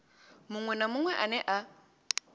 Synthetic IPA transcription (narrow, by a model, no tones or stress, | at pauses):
mʊŋwɛnamʊŋwɛʔanɛʔa